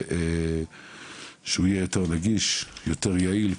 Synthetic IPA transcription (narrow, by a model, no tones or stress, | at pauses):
ʔe | ʃeuijejo̞te̞ʁnaɡiʃjot̪e̞ʁjail